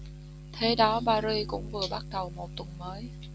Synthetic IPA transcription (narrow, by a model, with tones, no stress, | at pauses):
t̪ʰe˨˦ɗɔ˨˦ɓaː˧zi˧kʊ̰˧˥ŋ͡mvɨ˨˩əɓa˦˥k̚ɗə˨˩wmo˨˩t̚t̪wə˨˩nməː˨˦j